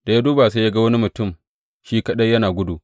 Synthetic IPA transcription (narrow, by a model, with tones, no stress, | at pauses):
da˨jaː˦duː˦ba˨se˦ja˦ɡa˦wɐ˦ni˦mʊ˨tʊ˦˨m | ʃiː˦kɐ˦ɗɐ˦jɐ˦naː˨ɡʷʊ˦du˨